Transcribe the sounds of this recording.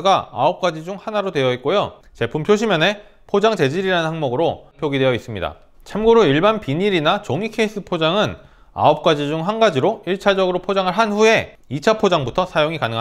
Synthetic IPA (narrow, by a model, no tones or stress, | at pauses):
ɡaa̰ʌp̚k͈ad͡ʑid͡ʑuŋhanaɾodwe̞jʌit̚k͈ojo | t͡ɕe̞pʰumpʰjoɕ̬ʰimjʌne̞ | pʰod͡ʑaŋt͡ɕe̞d͡ʑiɾiɾanɯnhaŋmʌɡɯɾopʰjoɡidwejʌis͈ɯmɲida̰ | t͡ɕʰamɡoɾoiɭbanpiɲiɾinat͡ɕoŋikʰeis͈ɯpʰod͡ʑaŋɯn | a̰ʌp̚k͈ad͡ʑid͡ʑuŋɦanɡad͡ʑiɾoiɭt͡ɕʰad͡ʑʌɡɯɾopʰod͡ʑaŋɯɭɦanɸue̞ | it͡ɕʰapʰod͡ʑaŋbutʰʌsʰajoŋikanɯŋa